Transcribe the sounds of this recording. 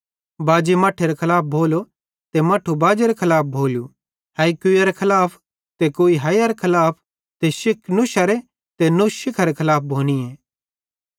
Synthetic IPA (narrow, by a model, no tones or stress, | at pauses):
baːd͡ʒimɐʈʰeɾekʰɐlaːp̚bʱoːlo | t̪emɐʈʰːubaːd͡ʒeɾekʰɐlaːp̚bʱoːlu | hɐːikʊjɐɾekʰɐlaːpʰ | t̪ekoːiɦɐjɐɾekʰɐlaːpʰ | t̪eʃɪkʰnʊʃɐɾe | t̪enʊʃɪkʰɐɾekʰɐlaːp̚ʰbʱoːñieː